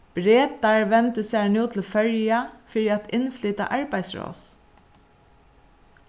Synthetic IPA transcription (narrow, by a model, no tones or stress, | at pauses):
b̥ɾeːt̪aɹʋɛnt̪əsænuːt̪ʰɪlfœɹjafɪɹɪat̪ɪnflʏːt̪a̰ʔɑɹbajsɹɔ̰ːs